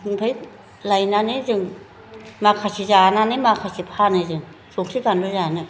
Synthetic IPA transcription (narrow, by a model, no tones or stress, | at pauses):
pʰa | lajnaːniːt͡ɕɯŋ | maːkʰasʰizaːnaːniːmaːkʰasipʰaːniːt͡ɕɯŋ | suːŋsʰɯkanduzaːni